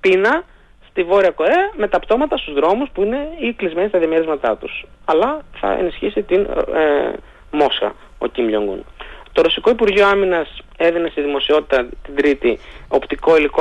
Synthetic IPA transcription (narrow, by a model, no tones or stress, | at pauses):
pinɐ | st̪ivo̞ɾiɐko̞eɐme̞t̪ɐpt̪o̞mɐt̪ɐst̪uzðɾo̞muspuine̞iklizme̞nist̪ɐðjɐme̞ɾizmɐt̪ɐt̪usɐlɐθɐ̰ḛnisçisit̪in | mo̞sxɐ̰ | o̞̰cimʎo̰ŋɡṵnt̪o̞ɾo̞siko̞ipuɾʝioɐminɐs | e̞ðine̞st̪iðimo̞sio̞t̪it̪ɐt̪id̪ɾit̪io̞pt̪iko̞iliko